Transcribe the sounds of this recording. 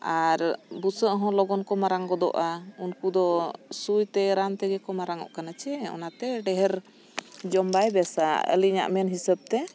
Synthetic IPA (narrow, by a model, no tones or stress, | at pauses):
aɾbusəʔɦɔ̃lɔɡɔnkɔmaɾaŋɡɔd̪ɔ̰ʔaunkud̪ɔsujt̪ɛɾamt̪ɛɡɛkɔmaɾaŋɔ̰ʔkanat͡ʃɛɔ̰nat̪ɛɖɛɦɛɾ | d͡ʒɔmbajbɛsa̰ə̰liɲa̰ʔmɛnɦisəb̚t̪ɛ